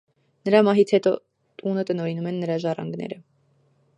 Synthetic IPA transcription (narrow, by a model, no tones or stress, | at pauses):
nəɾɑmɑɦit͡sʰhɛt̪ɔ | t̪ʼunət̪ənɔɾinumɛnːəɾɑʒɑrɑ̰ŋɡnɛ̰ɾə